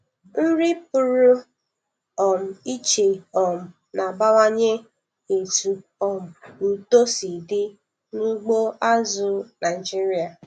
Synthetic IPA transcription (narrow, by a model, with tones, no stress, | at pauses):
n̩˦ɾɪ˦pʊ˨ɾʊ˦ | ɔ˨m̩˨i˦t͡ʃe˨ɔ˨m̩˨ | na˨ba˦wa˦ɲe˦ | e˨tu˨ɔ˨m̩˨n̩˨to˦si˨dɪ˦ | nu˦ɡ͡bo˦a˦zʊ˨na˨ɪ˨d͡ʒi˦ɾi˦a˨